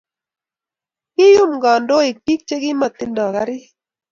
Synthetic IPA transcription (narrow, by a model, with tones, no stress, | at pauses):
kɪ˦jʊ˦mɡɔ˨ndo˦e˨pi˦k̚t͡ʃe˦ɡɪ˦ma˨tɪ˦ndɔ˨ka˨˦ɾɪ˦